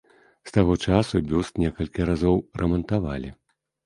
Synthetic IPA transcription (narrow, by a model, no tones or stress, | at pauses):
st̪aɣɔt͡ʂasubʲust̪nʲɛkɐlʲkʲiɾazɔwrɐmɐnt̪avalʲḭ